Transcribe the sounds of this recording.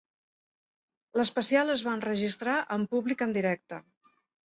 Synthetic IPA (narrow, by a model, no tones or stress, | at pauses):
ləspəsialˠəzβanrəʒist̪ɾaʔəmpuβlikənd̪iɾɛk̚t̪ə